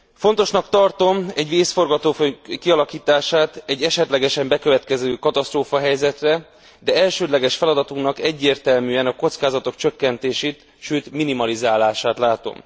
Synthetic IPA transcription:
fo̞nt̪o̞ʃnɒkt̪ɒrt̪o̞mɛɟʋeːsfo̞rɡɒt̪oːføkiɒlɒkiːt̪aːʃaːt̪ɛɟːɛʃɛt̪lɛɡɛʃɛmbɛkø̞vɛt̪kɛzøːkɒt̪ɒst̪roːfɒɦɛjzɛt̪rɛ | d̪ɛɛlʃøːd̪lɛɡɛʃfɛlɒd̪ɒt̪uŋknɒkɛɟːeːrt̪ɛlmyːɛnɒko̞t̪skaːzɒt̪o̞kt͡ʃø̞kːɛnt̪eːʃeːt̪ | ʃøːt̪minimɒlizaːlaːʃaːt̪laːt̪o̞̰m

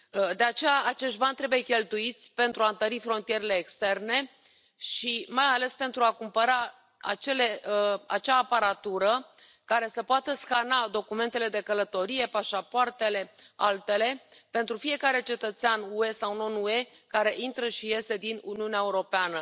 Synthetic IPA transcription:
d̪e̞at͡ʃe̞jaat͡ʃe̞ʃt̪̚banʲt̪ɾe̞buje̞kʲe̞lt̪uit̪sʲpe̞nt̪ɾuaɨnt̪əɾifɾo̞nt̪ije̞ɾele̞ːkst̪e̞rne̞ | ʃimajale̞spe̞nt̪ɾuakumpəɾa | a̰t͡ʃe̞le̞a̰t͡ʃaːpaɾat̪uɾə | kaɾe̞səpoat̪əskanad̪o̞kument̪e̞le̞d̪e̞kələt̪o̞ɾije̞paʃapoart̪e̞le̞alt̪e̞le̞pe̞nt̪ɾufije̞kaɾe̞t͡ʃe̞t̪ət̪seanue̞sawno̞nue̞ | kaɾe̞ʔint̪ɾəʃije̞se̞d̪inuniuneaeuɾo̞peanə

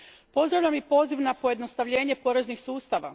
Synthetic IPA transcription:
po̞zd̪ɾaʋʎʲamipo̞ːziʋnapo̞jed̪no̞st̪aʋʎe̞ːɲe̞po̞ɾe̞znixsuːst̪aʋa̰

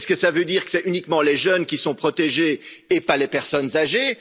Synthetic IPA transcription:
skəsavød̪iːʁkə̥sɛynikmɑ̃leʒœnkʲisɔ̃pχɔt̪eʒeːpalepɛʁsɔnzaʒe

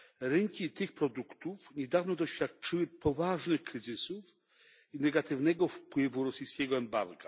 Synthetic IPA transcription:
ɾɛŋkʲit̪ɘxpɾɔd̪ukt̪ufɲɛd̪avnɔd̪ɔɕfʲjat̪̚t͡ʂɘwɘpɔvaʐnɘxkɾɘzɘsuf | inɛɡat̪ɘvnɛɡɔfpwɘvuɾɔsɨjskʲɛɡɔɛmba̰ɾɡa

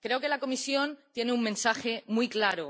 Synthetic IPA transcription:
kɾe̞oke̞lako̞misjo̞nt̪je̞neummẽ̞nsaxe̞mujklaɾo

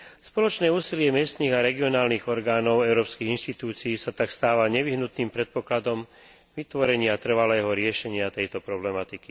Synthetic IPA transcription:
spɔlɔt͡ʃnɛːuːsilɪɛmɪɛst̪niːɣaɾɛɡiɔnaːlniɣɔɾɡaːnɔʊɛʊɾɔːpskiɣinʃt̪it̪uːt͡siːsat̪akst̪aːʋaɲɛʋiɦnut̪niːmpɾɛt̪̚pɔklad̪ɔm | ʋit̪ʋɔɾɛɲɪat̪r̩ʋalɛːɦɔɾɪɛʃɛɲɪat̪ɛjt̪ɔpɾɔblɛmat̪iki

